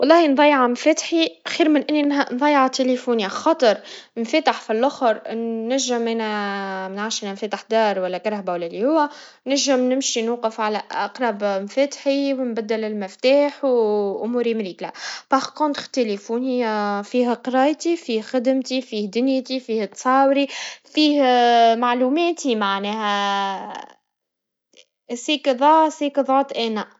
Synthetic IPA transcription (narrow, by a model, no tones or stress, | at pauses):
wɑlˤːɑːhinðˤɑjːʕamfæt̪ħixiːɾmɪnʔɪnːinnðˤɑjːʕat̪elefunjaxɑt̪ˤɨɾˤnfæt̪aħfilʔʊxɾːæʒːɪmʔɛːnæmɪnʕaːʃʔenænfæːt̪aħd̪ɑːɾˤwælːækɑɾˤhbæwælːælihʊwːæ | næʒːɪmnɪmʃinwuːqɪfʕalæʔɑqɾˤɑbmfæt̪ħiwnbæd̪ːælɪlmɪft̪aːħwʔʊmuːɾimɾiːklapɑʁkont̪xt̪elefunɪjːafiːɦæqɾˤɑːjt̪ifiːhxɪd̪mt̪ifiːhd̪ʊnjt̪ifiːht̪sˤɑːwɾifiːhmaʕlumɛːt̪imaʕnɛːɦæ | siːkðˤɑsiːkðˤɑːt̪ʔɛːnæ